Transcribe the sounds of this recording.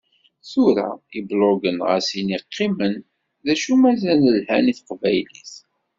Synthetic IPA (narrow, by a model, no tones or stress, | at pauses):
θuɾa̰ibloɡənʁæ̰siniqːimən | ðæʃumæzænəlhæ̰niθəqvæjliθ